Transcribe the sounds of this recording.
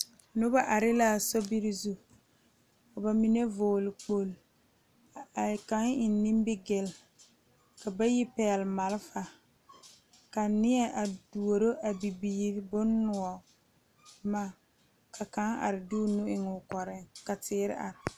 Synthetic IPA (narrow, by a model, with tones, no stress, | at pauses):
nʊ˦ba˦ʔa˨ɾɪ˦la˦˨sɔ˦bi˦ɾɪ˦zu˦ | ka˨ba˨mi˦ne˦voː˨lɪ˨k͡po˦l | ka˨˦ŋɪ˨n˦nĩ˦mbɪ˦ɡɪ˨l | ka˨ba˦jɪ˦pɛː˨lma˨lɪ˦fa˨ | ka˨nɪ˦ɛ˦˨ʔa˨du˨o˨ɾo˦ʔa˨bi˨biː˦ɾbʊ˦nːʊ˨ɔ˨ | ma˦˨ | kʰa˨ka˦ŋa̰˨ɾɪ˨du˦nʊ˦ʔɪ˨ŋʊ˨kɔ˨ɾɪ˦ŋka˨tɪː˦ɾɪ̰˦ʔa̰˨ɾɪ˨